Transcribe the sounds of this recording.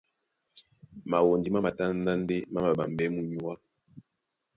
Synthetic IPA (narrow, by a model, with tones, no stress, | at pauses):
ma˨wo˨ndi˦ma˦ma˨ta˦n˦da˦n˦de˦ma˦ma˨ɓa˨m˨bɛ˦mu˦ɲu˦a˦